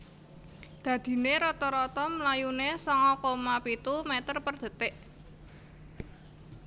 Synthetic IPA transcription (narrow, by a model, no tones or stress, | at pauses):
d̪̥ä̤d̪̥i̤neɾɔt̪ɔɾɔt̪ɔmlajunesɔŋɔkomapit̪umɛt̪ərpərd̪̥ə̤t̪ɪʔ